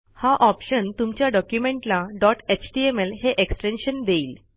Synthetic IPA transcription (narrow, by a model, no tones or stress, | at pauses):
haʔɔpɕənt̪umt͡ɕjaɖɔkjumẽɳʈlaɖɔʈet͡ɕʈiemelɦeʔeksʈenɕənd̪eiːl